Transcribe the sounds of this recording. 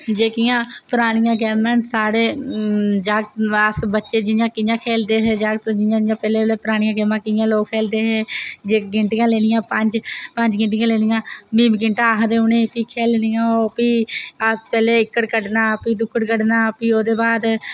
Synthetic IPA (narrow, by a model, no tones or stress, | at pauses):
d͡ʒeːkɪjãːpəɾaːɽ̃ɪjãːɡɛːmẽːnsaːɽeː | d͡ʒaːɡəsbətːʃeːd͡ʒɪjãːkɪjãːkʰeːld̪eːɦɛːd͡ʒaːɡt̪õd͡ʒɪjãːjãːpɛːleːeleːpɾaːɽ̃ɪjãːɡɛːmãːkɪjãːloːkʰːeːld̪eːɦeːd͡ʒeːɡɪɳʈɪjãːleːnɪjãːpəɲd͡ʒpəɲd͡ʒɡɪɳʈ̬ɪjãːleːnɪjãːmĩːmɡɪɳʈaːɦd̪eːʊnẽːpiːkʰeːlnɪjãːoːpiː | pɛːleːɪkːəʈkəɖnaːpiːd̪ʊkʰːəɽkəɽnaːpiːoːd̪eːbaːd̪